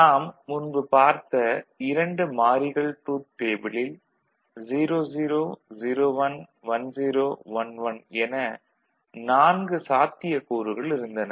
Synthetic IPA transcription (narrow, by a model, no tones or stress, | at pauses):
naːmːʊnbɯpaːɾt̪ɐɪɾɐɳɖɯmaːɾɪɣɐɭʈuːt̪̚teːbɪɭɪl | ziːɾoːziːɾoːziːɾoːʋɐn | ʋɐnd͡ʒiːɾoːʋɐnʋɐnɛnɐ | naːnɡɯsaːt̪ːɪjɐkuːɾɯɣɐɭɪɾɯnd̪ɐnɐ